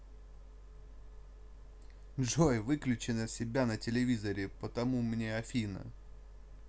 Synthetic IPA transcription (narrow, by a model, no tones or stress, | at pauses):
ʐojvɨklʲʉt͡ɕɪnəsʲɪbʲanətʲɪlʲɪvʲizəɾʲɪpət̪ɐmumnʲeɐfʲinə̰